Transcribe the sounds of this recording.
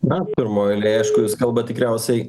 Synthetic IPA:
nɐpʲɪɾmoːɪlʲeɐɪʃkʊjuːskɐlˠbɐt̪ʲɪkɾʲæˑʊsʲɛɪ

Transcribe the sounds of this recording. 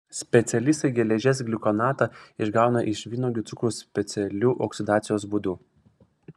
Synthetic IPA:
sʲpʲɛt̪sʲɛlʲɪst̪ɐɪɡʲɛlʲɛʒʲɛs̬ɡʲlʲɪkɔnɑːt̪ɑɪʒɡɑˑʊnɐʔɪʃʋʲiːnoːɡʲɪt̪sʊkɾuːsʲpʲɛt̪sʲɛlʲuːʔɔksʲɪd̪ɑːt̪sʲɪjoːs̬bud̪uː

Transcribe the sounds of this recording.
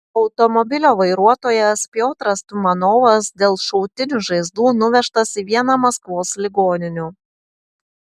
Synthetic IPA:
ɒʊt̪ɔmɔbʲɪlʲoːʋɐɪɾuɔt̪oːjɛspʲjoːt̪ɾɐst̪ʊmɐnɔːʋɐsd̪ʲeːlˠʃɔʊt̪ʲɪnʲuʒɐɪzd̪uːnʊʋʲɛʃt̪ɐsiʋʲiɛnɐmɐskʋoːslʲɪɡoːnʲɪnʲu

